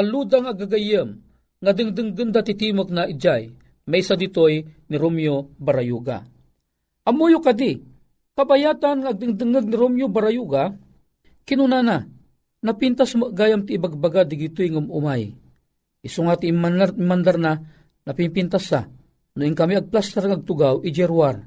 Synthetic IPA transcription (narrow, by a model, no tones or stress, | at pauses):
alud̪aŋaɡaɡajəm | ŋad̪ɨŋd̪ɨŋd̪ɨnd̪at̪it̪imok̚naʔid͡ʒaj | majsad̪it̪ojniɾomjobaɾajuɡa̰ | ʔɐmojokad̪i | kabajaːt̪anŋaːɡ̚d̪ɨŋd̪ɨŋəɡ̚niɾomjobaɾajuɡa | kinunana | napint̪asməʔɡaːjamt̪iːbaɡ̚baɡad̪iɡit̪ojŋumṵmaj | ʔisuŋat̪imanmand̪arna | nɐpinpint̪asa | nʊiŋkamiaɡ̚plast̪aɾŋaaɡ̚t̪ʊɡawʔid͡ʒɛɾwar